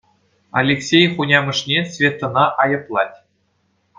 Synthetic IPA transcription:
ɑ̰lʲeksʲejχunʲɑmɤ̆ʂnʲesʲvʲet̪ːɤ̆nɑʔɑjɤ̆plˠɑtʲ

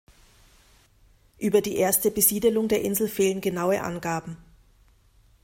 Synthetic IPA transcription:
ʔyːbɐdiːʔeːɐstəbəziːdəlʊŋdeːɐʔɪnzl̩feːlənɡənaʊəʔa̰nɡaːbm̩

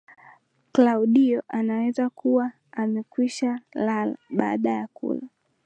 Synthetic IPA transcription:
klauɗiɔʔanawɛzakuwaː | mɛkwiʃalalaɓa̰ːɗajakṵla

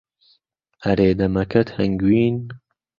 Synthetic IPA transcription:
ɐɾeːd̪ɐmɐkɐt̪hɐŋɡwiːn

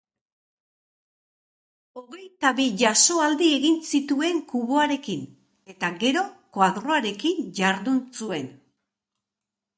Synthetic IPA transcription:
o̞ɣe̞jt̪aβiʝaso̞ald̪ie̞ɣinsit̪ue̞ŋkuβo̞aɾe̞kin | e̞t̪aɣe̞ɾo̞koaðɾo̞aɾe̞kiɲd͡ʑaɾðunsue̞n

